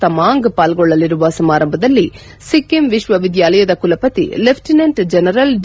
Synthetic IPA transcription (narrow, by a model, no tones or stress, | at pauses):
ɐmaːŋɡpaːlɡɔɭːɐliɾuʋɐsɐmaːɾɐmbʱɐd̪ɐlːi | sikːemʋiʃʋɐʋid̪jaːlɐjɐd̪ɐkulɐpɐt̪ḭlepʰʈinɐɳʈd͡ʒɛnɐɾɐlɖ